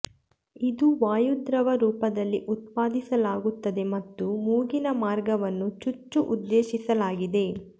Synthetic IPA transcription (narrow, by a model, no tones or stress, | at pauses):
id̪uʋaːjud̪ɾɐʋɐɾuːpɐd̪ɐlːiʔut̪̚paːd̪isɐlaːɡut̪ːɐd̪e̞mɐt̪ːumuːɡinɐmaːɾɡɐʋɐnːut͡ʃut͡ʃːuʔud̪ːeːʃisɐlaːɡid̪e̞